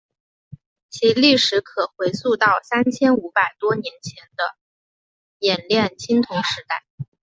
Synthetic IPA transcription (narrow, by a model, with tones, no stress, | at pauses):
t͡ɕʰi˧˥li˥˩ʂɻ̩˧˥kʰɤ˨˩xwe˧˥ɪsu˥˧t̪ɑ˥˩ʊsa˥nt͡ɕʰjɛ˥nu˧˥pa˨˩ɪt̪wɔ˥njɛ˧˥nt͡ɕʰjɛ˧˥nd̪ə˧ | jɛ˨˩nljɛ˥˩nt͡ɕʰi˥ŋt̪ʰʊ˧˥ŋʂɻ̩˧˥t̪a˥˩ɪ